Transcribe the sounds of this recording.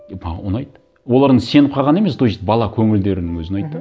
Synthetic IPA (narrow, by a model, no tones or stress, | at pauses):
pʰɑonɑjt̪ːə | wo̞lˠɑɾd̪əse̞nɪp̚qʰɑʁɑne̞me̞sd̪ojit̪bɑlˠɑkʲʰɵŋɪld̪e̞ɾɪnɪŋwɵzɪnɑjt̪ːə